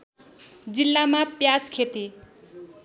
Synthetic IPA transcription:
d͡zilːamapjad͡zkʰet̪i

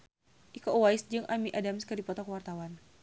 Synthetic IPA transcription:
ʔikɔʔwajsd͡ʒɨŋʔamiʔadamskadipɔt̪ɔkwart̪awan

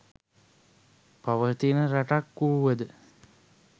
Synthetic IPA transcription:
paʋəɦt̪inəɾaʈakːuuʋəd̪ə

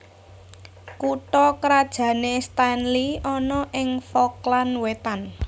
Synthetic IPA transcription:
kuʈɔkɾad̥ʒ̥ä̤nest̪anliɔnɔʔɪŋfɔklanwet̪an

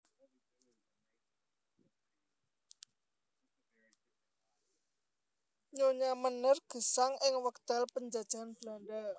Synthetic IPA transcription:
ɲoɲamənərɡ̥ə̤saŋɪŋwək̚t̪alpəɲd͡ʒa̤d̥ʒ̥a̤anb̥landa

